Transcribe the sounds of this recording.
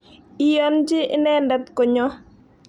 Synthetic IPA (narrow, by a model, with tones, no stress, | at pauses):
i˨jɔ˦nd͡ʒɪ˦ɪ˦nɛ˦nda˦t̪kɔ˨ɲɔ˦